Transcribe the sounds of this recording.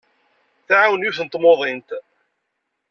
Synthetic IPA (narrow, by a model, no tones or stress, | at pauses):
θʕawənjuθnt̪ːˤmoðˤent̪